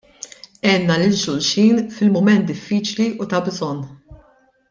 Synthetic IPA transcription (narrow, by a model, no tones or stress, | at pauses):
ɛːnːɐlɪld͡ʒʊlʃiːnfɪlmʊmɛnt̪̚d̪ɪfːiːt͡ʃliʔut̪ɐbzɔnː